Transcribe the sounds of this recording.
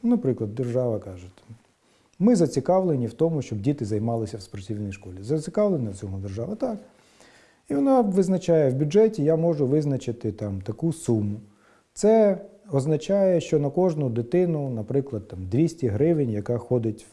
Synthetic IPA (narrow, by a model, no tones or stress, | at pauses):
nɐpɾɪklˠɐd̪̚ːerʒɑʋɐkɑʒʊt̪ | mɪzɐt͡sʲikɑʋlˠenʲiwt̪ɔmʊʃt͡ʃɔbdʲit̪ɪzɐjmɑlˠɪsʲɐwspɔrtʲiwnɔjʃkɔlʲizɐt͡sʲikɑʋlˠenɐt͡sʲɔɦʊd̪erʒɑʋɐt̪ɑk | iʋɔnɑʋɪznɐt͡ʃajɛwbʲuɛtʲijamɔʒʊʋɪznɐt͡ʃɪt̪ɪt̪ɑmt̪ɐkusumʊ | t̪sɛ | ɔznɐt͡ʃajɛʃt͡ʃɔnɐkɔʒnʊd̪ɪt̪ɪnʊnɐpɾɪklˠɐd̪̚t̪ɑmd̪ʋʲisʲtʲiɦɾɪʋɪnʲjɐkɑxɔd̪ɪtʲ